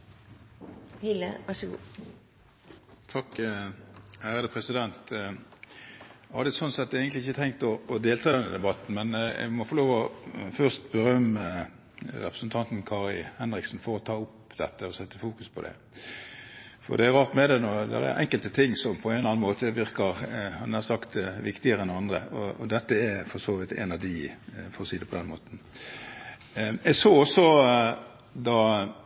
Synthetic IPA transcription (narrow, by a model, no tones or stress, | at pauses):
hɪlə̰ʋɑʂəɡṵː | t̪ʰɑkː | hæːɾəd̪əpʰʁɛsɪd̪ɛnt̪ | hɑ̰d̪ɛsɔnsɛt̪ːæɡənlɪɪçːət̪ʰɛŋkt̪ɔːd̪eːlt̪ʰɑːd̪ɛnə̰d̪ɛbɑt̪n̩mɛnɛ̰ɡmɔfɔʁloːʋɔfœʁst̪bəʁœmːə | ɾɛ̰pʁə̥sn̩t̪ʰɑnt̪n̩kʰɑːʁɪlhɛnɾɪksn̩fɔɾɔt̪ʰɑːʊpd̪ɛt̪ːəɔsɛt̪ːəfuːkʉspʰɔd̪ɛ̰ | fɔ̰ʁd̪ɛæɾʁɑːʁt̪mɛd̪ɛnɔd̪ɛ̰ɾæ̰ɾʔɛ̰ŋkəlt̪ət̪ʰɪŋːsɔmpʰɔenlɑːnmoːt̪əʋɪɾkɑʁhɑnæsɑkt̪ʋɪkt̪ɪəɾɛnd̪ɛɑnd̪ɾəɔɔ̰d̪ɛt̪ːəɛfɔsoːʋɪt̪ɛ̰nɑʋd̪ɪfɔsiːd̪əpʰɔd̪ɛnːmo̰ːt̪n̩ | ɛɡsoːɔsːɔ | d̪ɑ